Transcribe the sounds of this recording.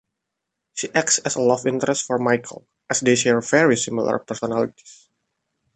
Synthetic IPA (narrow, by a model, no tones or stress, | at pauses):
ʃiʔɛk̚tsɛsəlɔvĩnt̪əɾɛst̪fɔɹmajkʰə̰lˠ | ʔɛsdeʃɛɹvɛɹisimilə̰ɹpɛɹsɔnalit̪i̥s